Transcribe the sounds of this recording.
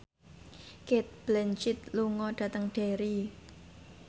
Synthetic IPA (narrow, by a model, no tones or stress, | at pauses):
ket̪̚b̥lɛnt͡ʃɪt̪̚luŋɔɖ̥ä̤t̪əŋɖ̥eɾi